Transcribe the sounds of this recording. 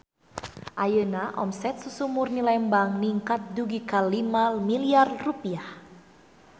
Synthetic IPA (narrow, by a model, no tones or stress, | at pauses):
ʔajənaʔɔ̰msɛt̪̚susumurnilɛmbaŋniŋkat̪̚duɡikalimalmiliarrupiah